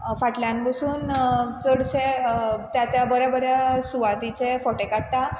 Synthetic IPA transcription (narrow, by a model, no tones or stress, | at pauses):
faʈljãnbəsuːnt͡səɽset̪jat͡ɕjabəɾjabəɾasuʋat̪it͡sefɔʈekaɽt̪a